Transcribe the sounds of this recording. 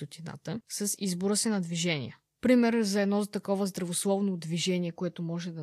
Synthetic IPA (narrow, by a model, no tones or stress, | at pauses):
ot̪ina̰t̪əsɐsizboɾəsinɐd̪viʒɛnḭjə | pɾimɛɾzɐɛd̪nɔt̪ɐkɔvəzd̪ɾɐvoslˠɔvnod̪viʒɛniɛkoɛt̪omɔʒɛd̪ɐ